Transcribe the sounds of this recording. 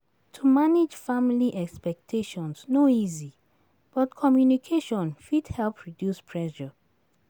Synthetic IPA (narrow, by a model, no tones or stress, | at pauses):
tʰumaned͡ʒfamiliʔɛkspɛk̚tʰeʃɔ̃nsnoizi | b̥ɔtkʰɔmjunikʰeʃɔ̃nfidhɛlpʰɹidjuspʰɹɛʃɔ